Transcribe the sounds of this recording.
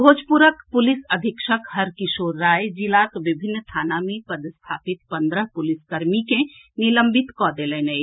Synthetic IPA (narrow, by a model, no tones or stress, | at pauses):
bʱoːd͡ʒpuɾəkpʊlɪsəd̪ʱɪkʃəkhəɾkɪsoːɾːaːjd͡ʒilakʋɪbʱɪnːt̪ʰaːnamẽpəd̪st̪ʰaːpɪt̪̚pə̃nd̪ɾəɦpʊlɪskəɾmike | niləmbɪt̪kɔd̪elẽnəj